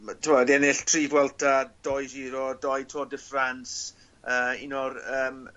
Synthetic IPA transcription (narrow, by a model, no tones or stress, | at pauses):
tʰʊmɔdɛnɪɬtʰriːvwɛlˠtʰad̥ɔjsiːɾɔdɔjtʰɔːdəfrans | əːinɔrəːm